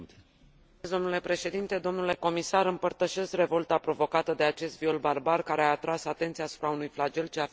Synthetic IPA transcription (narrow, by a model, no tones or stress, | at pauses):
zd̪o̞mnule̞pɾe̞ʃe̞d̪int̪e̞d̪o̞mnule̞ko̞misaɾɨmpərt̪əʃe̞skre̞vo̞lt̪apɾo̞vo̞kat̪əd̪e̞at͡ʃe̞st̪vio̞lbarbarkaɾeaːt̪ɾasat̪e̞nt̪siaːsu̥pɾaunujflad͡ʒe̞lt͡ʃea